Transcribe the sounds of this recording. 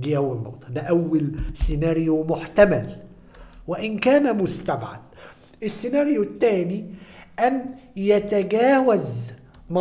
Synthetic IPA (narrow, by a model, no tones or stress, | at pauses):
d̪iːʔawːalmɑ̰wt̪ːˤɑd̪aʔawːalsɪnaːɾjumʊħt̪amal | wɪʔɪnkaːnamʊst̪abʕa̰l | ʔɪsːɪnaːɾjʊt̪ːaːniʔanjat̪aɡaːwaz | mɑ